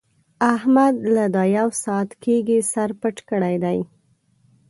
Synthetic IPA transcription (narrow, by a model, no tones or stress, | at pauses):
ahmad̪lad̪ɑjawsɑat̪kʰeɡisaɾpəʈkəɽajd̪aj